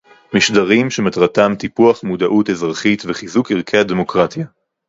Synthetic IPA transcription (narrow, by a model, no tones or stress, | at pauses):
miʃdaʁimʃematʁatamt̪ipuaχmudaʔutezʁaχitveχizukiʁkʰeademo̞kʁatja